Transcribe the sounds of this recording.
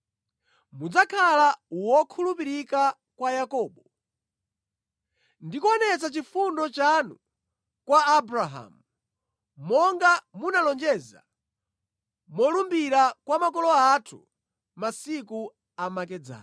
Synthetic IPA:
mud͡zakʰalawɔkʰulupiɾika | kwajakɔːɓɔ | ndikuɔnɛt͡sat͡ʃifundɔt͡ʃanu | kwaːbɾaɦa̰mu | mɔŋɡamunalɔnd͡ʒɛːza̰ | mɔlumbiɾakwamakɔlɔatʰṵ | masiku | amakɛd͡za̰ː

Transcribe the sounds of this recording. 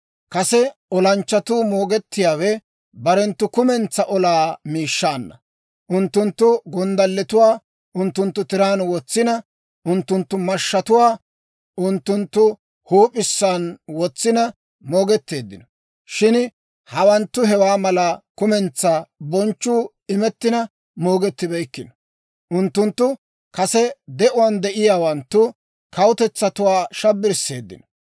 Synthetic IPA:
kɐsɛɔlɐnt͡ʃːɐt̪uːmo̞ːɡɛt̪ːɪjaːwɛ | bɐɾɛnt̪ːʊkʊmɛnt͡sːɐʔɔlaːmiːʃːaːnːɐ̰ | ʔʊnt̪ːʊnt̪ːʊɡɔnd̪ɐlːɛt̪ʊwaː | ʔʊnt̪ːʊnt̪ːʊt̪ɪɾaːnwɔt͡sːɪnɐ | ʊnt̪ːʊnt̪ːʊmɐʃːɐt̪ʊwaː | ʊnt̪ːʊnt̪ːʊ | huːpʼɪsːaːnwɔt͡sːɪnɐ | moːɡɛt̪ːe̞ːd̪ːɪnɔ̥ | ʃɪn | hɐwɐnt̪ːʊɦɛwaːmɐlɐkʊmɛnt͡sːaːbɔnt͡ʃːuː | ɪmɛt̪ːɪnɐ | moːɡɛt̪ːɪbɛjkːɪnɔ | ʔʊnt̪ːʊnt̪ːʊ | kɐsɛd̪ɛʔʊwand̪ɛʔɪjaːwɐnt̪ːʊ | kɐwʊt̪ɛt͡sːɐt̪ʊwaːʃɐbːɪɾsːe̞̰ːd̪ːɪ̰nɔ̥

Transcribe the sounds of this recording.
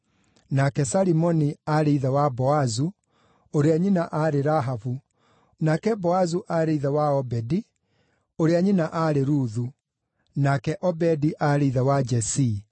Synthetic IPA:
nakɛsaɾimɔniaɾeiðawabɔazu | oɾeaɲinaʔaɾeɾaɦavu | nakɛbɔazuʔaɾeiðawaɔbɛdi | oɾeaɲinaʔaːɾeɾuːðu | nakɛʔɔbɛdiʔaɾeiðawad͡ʒɛsi

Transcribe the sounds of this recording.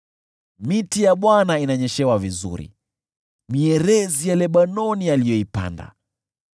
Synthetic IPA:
mitijaɓwanainaɲɛʃɛwavizṵɾḭ | miɛɾɛzijalɛɓanɔnialijɔipa̰nda̰

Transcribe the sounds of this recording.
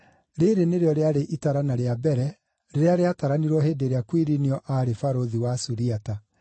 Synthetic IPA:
ɾeɾeneɾeɔɾeaɾeʔitaɾanaɾeabɛɾɛ | ɾeɾeaɾeataɾaniɾwɔɦeːdeɾeakwiɾiniɔʔaɾefaɾoðiwasuɾiata

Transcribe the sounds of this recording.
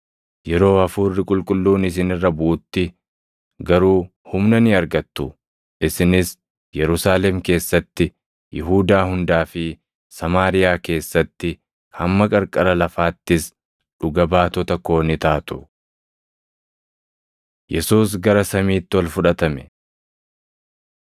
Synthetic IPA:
jɛɾo̞ːɐfuːrːɪkʼʊlkʼʊlːuːnɪs̬ɪnɪrːɐbuːt̪ːɪ | ɡɐɾuː | hʊmnɐnɪɐɾɡɐt̪ːʊ | ʔɪsɪnɪs | jɛɾʊsaːlɛmke̞ːsːɐt̪ːɪ | jɪɦuːd̪aːhʊnd̪aːfɪ | sɐmaːɾɪjaːke̞ːsːɐt̪ːɪ | hɐmːɐkʼɐɾkʼɐɾɐlɐfaːt̪ːɪs | ᶑʊɡɐbaːt̪ɔt̪ɐko̞ːnɪt̪aːt̪ʊ | jɛsuːs̬ɡɐɾɐsɐmiːt̪ːɪwɔlfʊᶑɐt̪ɐmɛ

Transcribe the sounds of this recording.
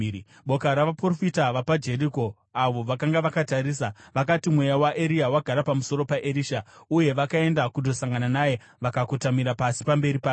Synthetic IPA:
ɓo̞kaɾaʋaprofitaʋapad͡ʒe̞ɾiko̞ | aʋo̞ʋakaŋɡaʋakataɾiːsaʋakatimwe̞jawaʔeɾiawaɡʱaɾapamuso̞ɾo̞paʔeɾiːʃauje̞ʋakae̞ndakudʱo̞saŋɡananaje̞ | ʋakakotamiɾapasi̥pambe̞ɾipaː

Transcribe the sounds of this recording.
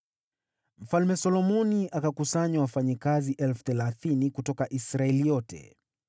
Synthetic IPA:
m̩falmɛsɔlɔmɔniʔakakusaɲwawafaɲikaziʔɛlfuθɛlaθinikutɔkaʔisɾaɛlijɔtɛ̰

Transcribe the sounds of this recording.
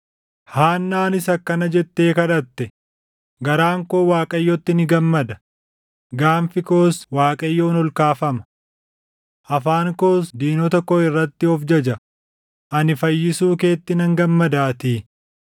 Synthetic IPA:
haːnːaːnɪsɐkːɐnɐd͡ʒɛt̪ːe̞ːkɐd̪ɐt̪ːɛ | ɡɐɾaːŋko̞ːwaːkʼɐjːɔt̪ːɪnɪɡɐmːɐd̪ɐ | ɡaːnfɪko̞ːswaːkʼɐjːoːnɔlkaːfɐmɐ̥ | ʔɐfaːŋko̞ːsd̪iːnɔt̪ɐkːɔɪrːɐt̪ːɪɔfd͡ʒɐd͡ʒɐ | ʔɐnɪfɐjːɪsuːke̞ːt̪ːɪnɐŋɡɐmːɐd̪aːt̪iː

